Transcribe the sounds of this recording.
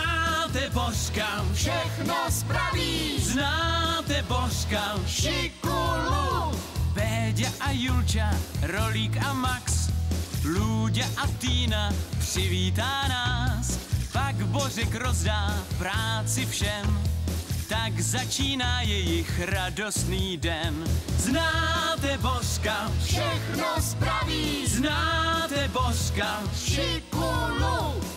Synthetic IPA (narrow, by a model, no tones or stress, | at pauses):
aːt̪ɛboskafʃɛxnospɾaviːznaːt̪ɛborkafʃɪkulubɛːɟaʔajult͡ʃaɾo̞liːkamaks | luːɟaʔat̪iːnapr̥ɪviːt̪aːnaːspaɡbo̞rɛkɾo̞zdaːpɾaːt͡sɪfʃɛm | t̪aɡzat͡ʃiːnaːjɛjɪxɾado̞st̪niːdɛnznaːt̪ɛboskafʃɛxnospɾaviːznaːt̪ɛboska | fʃɪkulu